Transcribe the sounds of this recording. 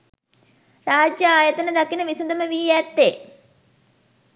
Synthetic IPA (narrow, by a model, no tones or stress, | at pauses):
raːd͡ʒjəaːjɐt̪ənəd̪ɐkinəʋisud̪əməʋiːjɛt̪ːe